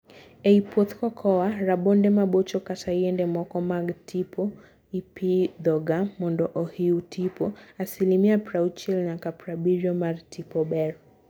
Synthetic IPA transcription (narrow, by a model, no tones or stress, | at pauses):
ɛipʰɔt̪kɔkʰɔwaɾaɓɔndɛmaɓɔt͡ʃɔkatʰajɛndɛmɔkɔmaɡtʰipʰɔ | ipid̪ɔɡamɔndɔʔɔhiutipɔasilimiapɾaut͡ʃɛlnakapɾabiɾiɔmaɾtipɔɓɛɾɔ